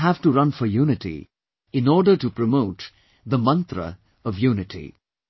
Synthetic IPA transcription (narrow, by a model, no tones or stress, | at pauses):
ɦævʈuɾʌ̃nfɔjuːnɪʈḭ | ɪ̃nɔːɖəʈupɾəmoʊʈ | d̪əmʌ̃nt̪ɾə̰ | ʌvjuːnɪʈʰḭ